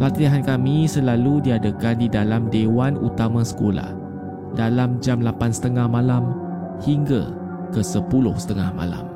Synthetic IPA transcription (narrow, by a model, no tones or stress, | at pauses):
pat̪iɦankamĩsəlaludiadəkandidalamdewanṵt̪amãsə̥kola̰h | dalamd͡ʒamlapansə̥t̪əŋahmãlam | hiŋɡa̰ | kəsəpulʊhsə̥t̪əŋa̰hmã̰la̰m